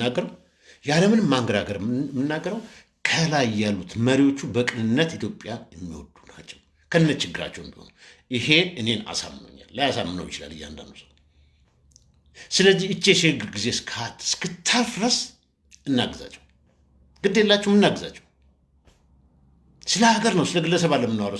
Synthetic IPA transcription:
aɡːəɾəw | jaləmɨnɨmːaŋɡəɾaɡəɾmːɨnːaɡːəɾəw | kʰəlajjːalːut̪məɾiwo̞t͡ʃːubəkʼɨnɨnːət̪it̪ʰjo̞pʼːjajɛmːiwɔ̰d̪unat͡ʃːɛw | kʰəɨnːət͡ʃɪɡːɨɾa̰t͡ʃːɛwɨmbiho̰nə̰w | ʔihe̞ɨne̞na̰sa̰mːno̰ɲːa̰lːəjasamːɨnə̰wjɪt͡ʃɪla̰lːɨ̰jːa̰nd̪a̰nd̪usə | sɨləzːihɨt͡ʃːeʃhɨɡɨɾɡize̞skʰat̪skɨt̪ʰːalfɾəs | ɨnːaɡəza̰t͡ʃːɛ̥w | ɡ̥ɨd̪ːelːat͡ʃːɛwmɨnːaɡɨzat͡ʃːɛ̥w | sɨləaɡəɾnəwsɨləɡɨlːəsəβalːəmːɨnːwaɾə

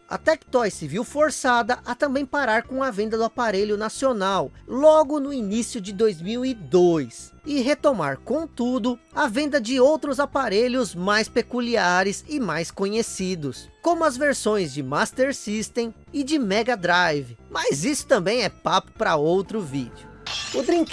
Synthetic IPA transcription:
ɐ̰t̪ɛkt̪ɔjsɪviwfoɾsad̪ɐʔɐt̪ɐ̃mbẽj̃paɾaɾkõɐvẽnd̪ɐd̪ʊapaɾeʎʊnasionawlɔɡʊnʊinisijʊd͡ʒɪd̪ojzmiwid̪ojs | ɪɦet̪oma̰ɾkõt̪ud̪ʊ | ɐvẽnd̪ɐd͡ʒɪowt̪ɾʊzapaɾeʎʊzmajspekuliaɾɪsɪmajskõɲesid̪ʊskõmʊɐzveɾsõj̃zd͡ʒɪmast̪eɾsist̪ẽ | ɪd͡ʒɪmɛɡɐd̪ɾajvɪmazisʊ̥t̪ɐ̃mbẽj̃ɛpapʊ̥pɾɐowt̪ɾʊvḭd͡ʒʊ | ʊd̪ɾĩk

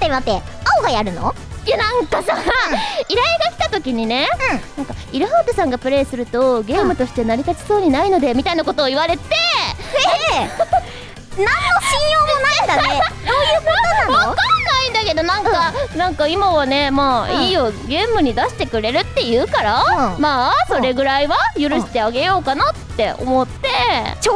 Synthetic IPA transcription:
t̪ːemat̪ːe | aoɡajaɾɯ̟no̰janãŋkasa | iɾaiɡakʲi̥t̪at̪o̞kʲiɲ̟ine̞ɯ̃nãŋkaiɾɯ̟ɦaːt̪ɯsãŋɡapɯ̟ɾe̞ːsɨɾɯ̟t̪o̞ɡe̞ːmɯ̟t̪o̞ɕi̥t̪e̞naɾʲit̪at͡ɕi̥so̞ːɲ̟inaino̞d̪e̞mʲit̪ainako̞t̪o̞ːiβaɾe̞t̪e̞ | nãnːoɕĩɰ̃jo̞ːonãd̪asoːjɯβakanːaĩnd̪ake̞d̪o̞nãŋkanãŋkaimaβane̞maːiiːoɡẽ̞ːmɯ̟ɲ̟id̪aɕi̥t̪e̞kɯ̟ɾe̞ɾɯ̟t̪ːe̞jɯ̟ːkaɾamaːso̞ɾe̞ɡɯ̟ɾaiβajɯ̟ɾɯ̟ɕi̥t̪e̞aɡe̞jo̞ːkanat̪ːe̞ʔo̰mo̞t̪ːe̞

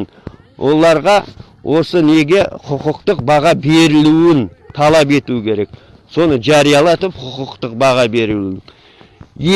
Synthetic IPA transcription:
n | wʔo̞lˠɑɾʁɑ | wʔo̞səne̞ɡʲe̞qʰʊqʊqt̪əq̚bɑʁɑbe̞ɾɪluɪnt̪ʰɑlˠɑp̬e̞t̪ukʲʰe̞ɾe̞k̚ | so̞nəʒɑɾijɑlˠɑt̪əpqʰʊqʊqt̪əq̚bɑʁɑbe̞ɾluɪn | je

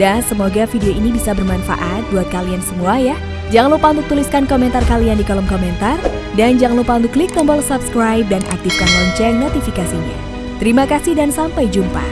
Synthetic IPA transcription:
dansəmoɡafideoinibisabərmanfa̰ʔat̪̚buat̪̚kaliansəmuaja | d͡ʒaŋalupaunt̪ʊuk̚t̪uliskankomɛnt̪arkaliandikɔlɔmkomɛnt̪ar | dand͡ʒaŋalupaunt̪ʊkːlikːɔmbɔlsapskɾajp̚danʔa̰k̚t̪ifkanɔɲt͡ʃɛnot̪ifikasiɲa̰ | t̪əɾimakasihdansampajd͡ʒumpa̰

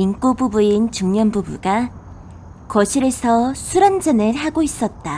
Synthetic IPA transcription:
ink͈ububuint͡ɕuŋɲʌnbubṵɡa | kʌɕʰiɾesʰʌsʰuɾand͡ʑʌnɯɭhaɡois͈ʌt̚t͈a

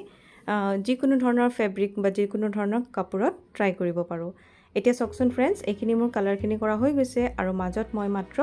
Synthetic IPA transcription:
zikʊnʊdʱɔɹɔnɔɹpʰebɹikbazikʊnudʱɔɹɔnɔɹkapuɹɔtːɹajkoɹibɔpaɹʊ̃ | etijasɔksɔnpʰɹɛnsejkʰinimʊɹkalaɹkʰinikɔɹaɦojɡojsɛʔaɹumazɔtmɔjmatɹɔ

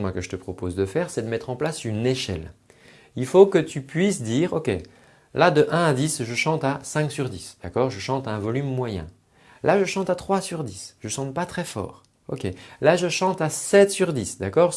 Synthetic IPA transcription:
mwakəʒət̪əpχɔpozd̪əfɛːʁsɛd̪əmɛt̪χɑ̃plasyneʃɛ̰l | ilfokət̪ypɥisd̪iːʁokʲe | lad̪əʔɛ̃ad̪isʒəʃɑ̃t̪asɛ̃ksyʁd̪isd̪̥akɔːʁʒəʃɑ̃t̪ɛ̃vɔlymːwajɛ̰̃ | laʒəʃɑ̃t̪at̪χwasyʁd̪isʒ̥əʃɑ̃t̪̚pat̪χɛfɔ̰ːʁ | okʲelaʒəʃɑ̃t̪asɛt̪syʁd̪isd̪akɔːʁ

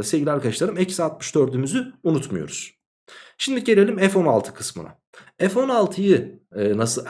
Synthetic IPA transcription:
ase̞lʲɟilʲæɾkʰaɯʃlˠaɾɯmɛcsat̪̚mɯ̥ʃd̪øɾd̪ymyzyunut̪mujo̞̰ɾuz̥ | ʃimd̪iɟe̞lʲe̞lʲimɛfo̞na̰lˠt̪ʰɯ̥kʰɯ̥smɯ̰a̰ | ɛfo̞nalˠt̪ʰɯjɯːnas

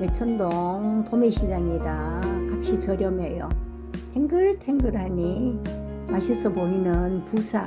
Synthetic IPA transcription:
met͡ɕʰʌndoŋtomeɕʰid͡ʑaŋidakap̚ɕ͈it͡ɕʌɾjʌmejo̰ | tʰeŋɡɯɭtʰeŋɡɯɾɦaɲi | maɕʰis͈ʰʌpoinɯnpusʰa

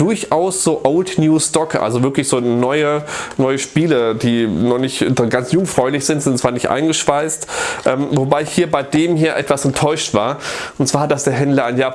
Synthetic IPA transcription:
d̥ʊɐçʔaʊsz̥oːʔoʊltnjuːstɔkʔa̰lzovɪɐklɪçz̥oːnɔʏənɔʏəʃpiːləd̥iːnɔχnɪçtdɡant͡sjʊŋfʁ̥ɔʏlɪçz̥ɪntz̥ɪntt͡sv̥aːɐnɪçtʔa̰ɪnɡəʃv̥aɪstʔɛːmvobaɪɪçhiːɐbaɪdeːmhiːɐʔɛ̰tv̥asɛntʰɔʏʃtv̥a̰ːɐʔʊntt͡saːɐd̥asd̥eːɐɦɛndlɐaɪnjaː

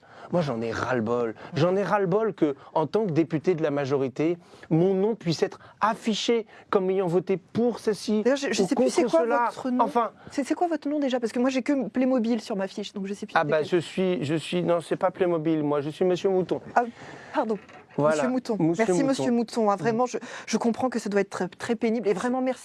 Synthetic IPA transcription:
mwaʒɑ̃nɛʁalbɔlʒɑ̃nɛʁalbɔlkəɑ̃t̪ɑ̃kd̪epyt̪ed̪əlamaʒɔʁit̪emɔ̃nɔ̃pɥisɛt̪χafiʃekɔmejɑ̃vɔt̪epuʁsəlsid̪jʁʒəʒəsɛkɔ̃sɛəkwaəlatt̪χənɑ̃fɛ̃sɛsɛkwavɔt̪χənɔ̃d̪eʒapaʁsə̥kəmwaʒekəplemɔbilsyʁmafiʃd̪ɔ̃kʒəsɛpyabbaʒəsɥiʒəsɥinɔ̃sɛpaplemɔbilmwaʒəsɥiməsjømut̪ɔ̃apaʁd̪ɔ̃ | vwmaslaømut̪ɔ̃mumɛʁssiməsjømut̪ɔ̃ãvʁɛmɑ̃ʒəʒəkɔ̃pχɑ̃kəsad̪waɛt̪χɛt̪χɛpeniblevʁɛmɑ̃mɛʁsi̥

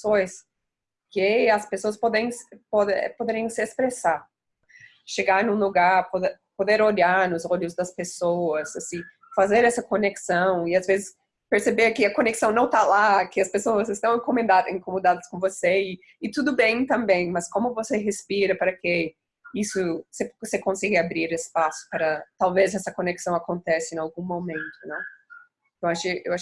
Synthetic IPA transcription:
sojs | kɪɐspesoɐspɔd̪ẽj̃spɔd̪pod̪eɾĩjɐ̃sɪespɾesaɾ | ʃeɡaɾnũluɡaɾpod̪e | pod̪eɾoʎaɾnʊzoʎʊzd̪ɐspesowɐzɐsĩ | fazeɾɛsɐkoneksɐ̃w̃ɪazvezɪs | peɾsebeɾkɪɐkõneksɐ̃w̃nɐ̃w̃t̪alakɪɐspesoɐzɪst̪ɐ̃w̃ẽŋkomẽnd̪ad̪ẽŋkomod̪ad̪ɐskõvoseɪ | ɪt̪ud̪ʊbẽj̃t̪ɐ̃mbẽj̃mɐskõmʊvoseɦespiɾɐpaɾɐke | isʊsesekõsɛɡɪabɾiɾɪspasʊ̥paɾɐt̪awvezɛsɐkoneksɐ̃w̃akõnt̪ɛsɪẽawɡũmomẽnt̪ʊnɛ̃ | t̪ɐ̃w̃aʃɪewaʃ

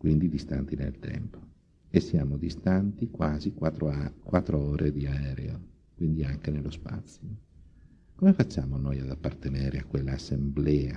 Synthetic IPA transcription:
kwind̪id̪ist̪a̰nt̪inḛlt̪ʰɛ̰mpo̥ | esːjaːmod̪ist̪ant̪ikwaːzikaɾkwat̪ːɾooːɾʔed̪iaɛːɾḛo | kwind̪iaŋkenelːospa̰t̪sːjo | komefat͡ʃːaːmonojad̪apːart̪enɛːɾeakːwelːaːsːemblɛːa

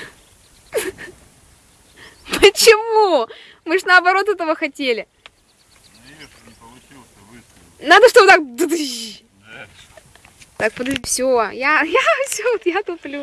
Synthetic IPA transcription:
pət͡ɕɪmu | mɨʐnəɐbɐɾo̞t̪ɛt̪əvəxɐtʲelʲɪ | nad̪əʂt̪o̞bɨt̪ak̚d̪ɨd̪ɨ | t̪ak̚pəd̪fsʲojajafsʲoot̪jat̪uplʲu

